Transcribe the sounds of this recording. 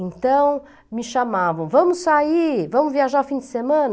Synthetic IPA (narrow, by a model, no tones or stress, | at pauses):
ẽnt̪ɐ̃w̃ | mɪʃamavɐ̃w̃vɐ̃mʊsaivɐ̃mʊzviaʒaɾufĩd̪ɪ̥semɐ̃n